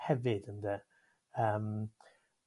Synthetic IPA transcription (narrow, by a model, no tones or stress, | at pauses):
hɛvɨdəndɛ | əːm